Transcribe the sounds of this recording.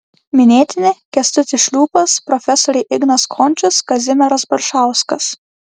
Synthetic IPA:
mʲɪnʲeːt̪ʲɪnʲɪkʲɛsʲt̪ʊt̪ʲɪʃʲlʲuːpɐspɾɔfʲɛsɔɾʲɛɪʔɪɡnɐskʰɔnʲt͡ʃʲɪskɐzʲɪmʲɛɾɐsbɐɾʃɑˑʊskɐs

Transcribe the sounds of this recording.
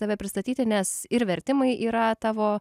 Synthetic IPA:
ɐʋʲɛpʲɾʲɪst̪ɐt̪ʲiːt̪ʲɪnʲɛsɪɾʋʲɛɾʲt̪ʲɪmɐɪʔiːɾɐt̪ɑːʋoː

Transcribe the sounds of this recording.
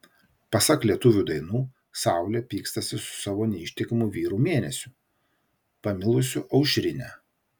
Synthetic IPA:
pɐsɐklʲiɛt̪ʊʋʲud̪ɐɪnuː | sɑˑʊlʲeːpʲiːkst̪ɐsʲɪsʊ̥sɑːʋoːnʲɛɪʃʲt̪ʲɛkɐmʊʋʲiːɾuːmʲeːnʲɛsʲʊ | pɐmʲɪlˠʊsʲʊʔɐʊʃʲɾʲɪnʲæː

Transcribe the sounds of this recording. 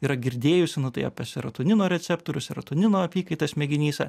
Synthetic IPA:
iːɾɐɡʲɪɾʲd̪ʲeːjʊsʲɪnʊt̪ɐɪɐ̰pɐsʲɪɾɐt̪ʊnʲɪnoːɾʲɛt͡s̪ʲɛpt̪oːɾʲʊsʲɪɾɐt̪ʊnʲɪnoːɐpʲiːkɐɪt̪ɐsmʲɛɡʲɪnʲiːsɐ̰

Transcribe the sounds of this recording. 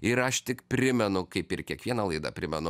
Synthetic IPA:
ɪɾɐʃt̪ʲɪkpʲɾʲɪmʲɛnʊkɐɪpɪɾkʲiɛkʋʲiɛnɐlˠɐɪd̪ɐ̰pʲɾʲɪmʲɛnʊ

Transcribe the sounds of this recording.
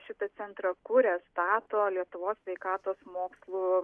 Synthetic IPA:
ʃʲɪt̪ɐt̪sʲɛnt̪ɾɐkʊɾʲɛst̪ɑːt̪oːlʲiɛt̪ʊʋoːsʲsʲʋʲɛɪkɑːt̪oːsmoːkslˠuː

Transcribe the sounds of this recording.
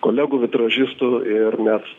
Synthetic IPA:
koːlʲæɡʊʋʲɪt̪ɾɐʒʲɪst̪ʊɪrmʲæs

